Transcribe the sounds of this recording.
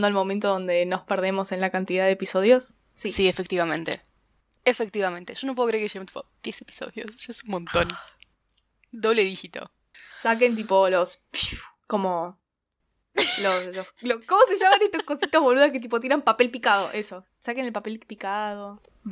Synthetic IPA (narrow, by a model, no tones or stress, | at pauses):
nd̪oalmo̞ment̪oðõ̞nd̪e̞no̞speɾð̞e̞mo̞se̞nlakant̪iðaðeːpiso̞ð̞jo̞sː | isiefe̞k̚t̪iβamẽ̞nt̪ḛ | efek̚t̪iβamẽnt̪e̞ʒonopweokɾeɾkeemt̪i̥pod̪̥jesepi̥so̰ðjo̰sʒ̥aesunmõnt̪o̞n | d̪oβleðixit̪o̰ | sak̬e̞nt̪̬ipo̞lospiko̞mo | losloslokomoseʒamanest̪ohkosit̪azβoluðahket̪̬ipo̞t̪̬ieɾampape̞lpikað̞o̞ʔe̞so̞ | sakene̞lpape̞lpikaðo̞